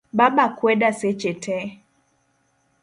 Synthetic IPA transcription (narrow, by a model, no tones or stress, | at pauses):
baɓakwɛɗaset͡ʃɛtʰɛ